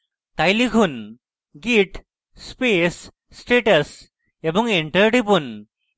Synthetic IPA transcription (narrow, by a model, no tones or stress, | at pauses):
t̪ajliɡʱun | ɡiʈ | spesː | ʈeʈəs | ebuŋɡeɳʈəɾʈipun